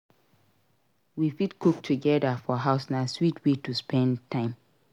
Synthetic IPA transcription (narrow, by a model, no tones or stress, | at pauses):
wifitkʰuk̚tʰuɡɛdafɔɦaʊsnaswitʰwetuspɛ̃ntʰãɪ̃m